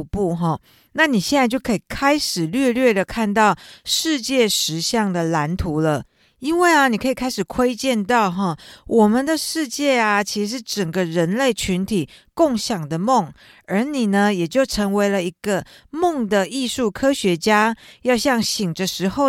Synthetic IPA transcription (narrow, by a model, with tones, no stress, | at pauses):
pu˥˩ɦɔ˥˩ | na˥˨ni˨˩ɕjɛ˥˧na˥˧ɪt͡ɕjo˥˩ʊkʰɤ˧˥i˨˩kʰa˥ɪʂɻ̩˨˩lɥɛ˥˧lɥɛ˥˩d̪ə˩kʰa˥˧nt̪ɑ˥˩ʊʂɻ̩˥˧t͡ɕjɛ˥˩ʂɻ̩˧˥ɕjɑ˥˩ŋd̪ə˩la˧˥nt̪ʰu˧˥˦lə˧ | i˥nwe˥˩ɪɐ˩ni˨˩kʰɤ˧˥i˨˩kʰa˥ɪʂɻ̩˨˩kʰwe˥ɪt͡ɕjɛ˥˧nt̪ɑ˥˧ʊɦɔ˥˩wʔɔ˨˩mə˨nd̪ə˨ʂɻ̩˥˧t͡ɕjɛ˥˩ɐ˨t͡ɕʰi˧˥ʂ̩˧˥ʂ̬ɻ̩˥˩ʈ͡ʂə˨˩ŋɡə˦ɻə˧˦nle˥˩ɪt͡ɕʰy˧˥nt̪ʰi˨˩kʊ˥˩ŋɕjɑ˨˩ŋd̪ə˩mo˥˩ŋ | ə˞˧˥ni˨˩nə˦jɛ˨˩t͡ɕjo˥˩ʊʈ͡ʂʰɤ˧˥ŋwe˧˥ɪlə˧i˧˥ɡ̥ə˧mo˥˩ŋd̪ə˨i˥˧ʂu˥˩kʰɤ˥ɕɥɛ˧˥t͡ɕja˥jɑ˥˧ʊɕjɑ˥˩ŋɕi˨˩ŋʈ͡ʂə˨ʂɻ̩˧˥xo˥˧ʊ